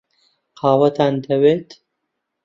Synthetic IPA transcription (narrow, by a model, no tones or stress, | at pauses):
qʰaːwɐt̪ʰaːnd̪ɐweːt̪